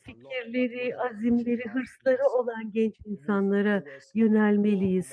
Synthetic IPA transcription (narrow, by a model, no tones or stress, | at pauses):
ficʰiɾlʲe̞ɾiazimlʲe̞ɾiɦɯɾslˠaɾɯo̞lˠanɟɛnt͡ʃinsanlˠaɾajø̞nælʲme̞lʲijiz̥